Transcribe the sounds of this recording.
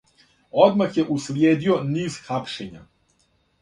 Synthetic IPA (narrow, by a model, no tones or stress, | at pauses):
o̞d̪maxjeʔusljeːd̪ioniːzxapʃeɲa̰